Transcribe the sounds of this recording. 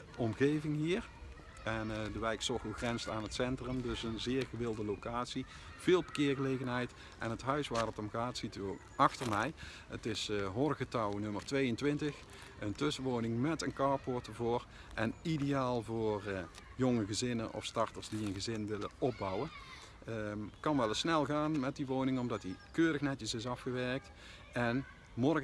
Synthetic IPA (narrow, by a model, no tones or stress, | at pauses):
ɔmɣejvɪŋɦiːɹ | ɛndəʋɛjksɔxəlɣrɛnsaːnɦətsɛntrəmdɵsənzɪːɹɣəʋɪlˠdəlokaːtsi | v̥ɪːlˠbə̥kɪːɹɣəlejɣənɦɛjt | ʔɛ̰nɦətɦœɥsʋaːɹətɔmɣaːtsityokɑxtərmɛj | ətɪsɦoːrəɣətɑwnɵmərtʋejəntʋɪntəx | əntɵsəʋownɪŋmɛtənkɑːɹpʊɹtəvʊːɹ | ʔɛnidejaːlˠvʊːr | jɔŋəɣəzɪnənʔɔ̰fstɑɹtəɹzdiənɣəzɪnʋɪlə̰ɔb̚bɑwən | kɑnʋɛlˠəsnɛlˠɣaːnmɛt̚diʋownɪŋɔmdɑtdikøːɾəxnɛtəsɪsɑfxəʋɛɹk̚t | ɛn | mɔrɣ